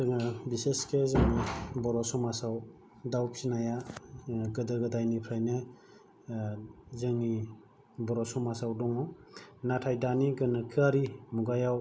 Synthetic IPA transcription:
ɯŋabiseskʰezaŋibɔɾɔsɔmasaw | dawpʰinaja | ɡɯdɯɡɯdajnipʰɾajne | zɯŋi | bɔɾɔsɔmasawdɔŋɔnatʰajdaniɡɯnɯkʰɯaɾimuɡajaw

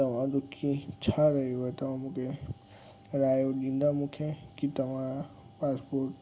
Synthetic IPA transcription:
t̪ɐmãd̪ʊkʰːit͡ʃʰaɾɐɦeoet̪ɐmãmʊkʰe | ɾaːjod͡ʒĩnd̪amʊkʰẽkit̪ɐmã | paːspoːɾʈ

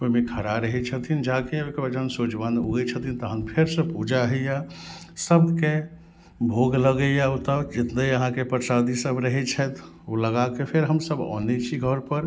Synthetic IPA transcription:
koimekʰəɾaɾəɦɛt͡ʃʰət̪ʰind͡ʒakekebəd͡ʒənsod͡ʒʋanoɡɛt͡ʃʰət̪ʰint̪əɦənpʰeɾsəpud͡ʒaɦɛja | səbke | bʱoɡləɡəjaot̪ad͡ʒɪt̪d̪əəɦãkepəɾsad̪isəbɾəɦɛt͡ʃʰɛt̪ʰ | oləɡakepʰeɾɦəmsəbɔ̰nɛt͡ʃʰiɡʱəɾpəɾ

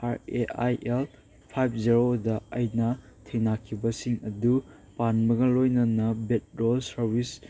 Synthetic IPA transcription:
aɾeajʔel | pʰajp̚ʰziɾodɐɐjnɐtʰejnakʰibɐsiŋɐdu | panbɐɡɐlojnɐnɐbet̚ɾolsɐɾbis

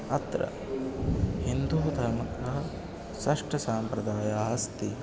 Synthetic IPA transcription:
ɐt̪ɾɐ̰ | hind̪uːt̪ɐmɐt̪ɐɦɐ | sɐʂʈɐsaːmpɾɐd̪aːjaːɦɐst̪i

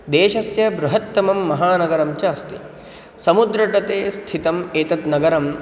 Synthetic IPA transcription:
d̪eːʃɐsjɐbɾuɦɐt̪ːɐmɐmːɐɦaːnɐɡɐɾɐmt͡ʃaːst̪i | sɐmud̪ɾɐʈɐt̪eːst̪ʰit̪ɐmeːt̪ɐt̪nɐɡɐɾɐm

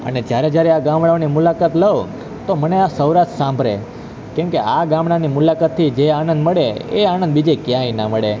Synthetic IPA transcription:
ə̰ned͡ʒjaɾed͡ʒjaɾeaɡãmɽaonimulakat̪ləʋo | t̪oməneasəwɾaʃsãmbʱɾḛ | kɛ̃mkeaɡãmɽanimulakat̪ʰːid͡ʒeanə̃nd̪məɽeeanə̃nd̪bid͡ʒekjãĩnaməɭe

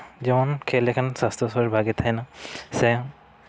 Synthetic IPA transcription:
zimankʰɛlɛkʰansast̪ɔsɔɹibʱaɡit̪ʰajnasɛ

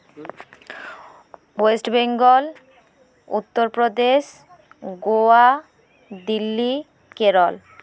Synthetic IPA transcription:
esʈbeŋɡol | ṵt̪ːoɾpɾod̪eʃ | ɡoa | d̪ilːi | keɾol

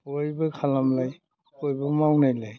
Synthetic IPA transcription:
ojbɯkʰalamlaj | ojbɯmawnajlaj

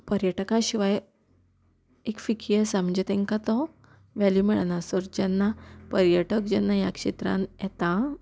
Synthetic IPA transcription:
pəɾjəʈkãɕiʋaj | ekfikʰijəsaməd͡ʑet̪ɛ̃ŋkat̪ɔ | ʋɛljumiɭanasɔɾd͡ʑɛnːapəɾjəʈək̚d͡ʑɛnːajakʂet̪ɾã̰njɛt̪ã

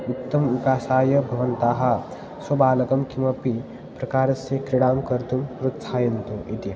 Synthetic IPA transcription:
ut̪ːɐmʋikaːsaːjɐbʱɐʋɐnt̪aːɦɐ | sɐbaːlɐkɐmkimɐpi | pɾɐkaːɾɐsekɾiɽaːmkɐɾt̪umɾut̪sʰaːjɐnt̪uʔit̪i

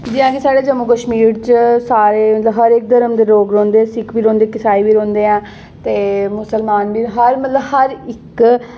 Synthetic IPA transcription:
d͡ʒɪãːkesaːɽeːd͡ʒəmːukəʃmiːɾt͡ʃsaːɾeːmət̪ləbɦəɾeːk̚d̪əɾəmd̪eːɾoːɡɾɔ̃ːnd̪eːɛ̃sɪkʰʋiːɾõːnd̪eːkɪsaːiʋiːɾɔ̃ːnd̪eːɛ̃ː | t̪eːmʊsəlmaːnbiːɦəɾmət̪ləbhəɾɪk

